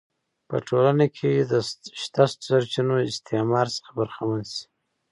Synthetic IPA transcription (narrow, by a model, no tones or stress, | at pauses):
pə̰ʈʰolanakʰed̪əʃt̪ast̪saɾt͡ʃinoɪst̪ʰemɑɾsə̥xḁbəɾxamansi̥